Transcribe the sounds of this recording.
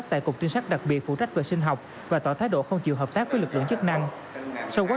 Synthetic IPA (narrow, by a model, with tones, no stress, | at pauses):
t̪a̰ː˧˨kʊ˨˩k͡p̚t͡ɕi˧ŋsa˦˥k̟̚ɗa˨˩k̚ɓi˨˩ət̚fṵ˧˥t͡ɕa˦˥k̟̚ve˨˩sï˧ŋ̟ɦa˨˩wk͡p̚ | vaː˨˩t̪ɔ˧˩t̪ʰaː˨˦jɗo̰˧˨xə˧wŋ͡mt͡ɕḭ˨əwɦəː˨˩p̚t̪aː˦˥k̚vəː˨˦jlɨ˨˩k̚lɨ̰˧˨ŋt͡ɕɨ˦˥k̚na˧ŋ | sa˧wkaː˨˦